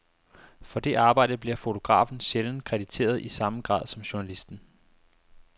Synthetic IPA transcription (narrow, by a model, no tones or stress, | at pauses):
fɒ̽d̥e̝ʔɑ̈ːb̥ɑ̈ɪ̰d̥əb̥liɐfo̝t͡sʰo̝ɡ̥ʁɑ̰̈ːfn̩ɕeln̩kʰʁɛd̥it͡sʰe̝̰ːɐð̞ˠisɑ̈məɡ̥ʁɑ̰̈ːð̰ˠsɒ̽mɕuɐnælisd̥n̩